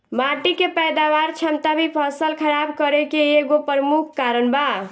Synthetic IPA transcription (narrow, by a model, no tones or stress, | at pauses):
maʈikepɛjd̪aʋaɾt͡ʃʰəmt̪abʱipʰəsəlkʰəɾabkəɾekeːɡopəɾəmukʰːaɾənba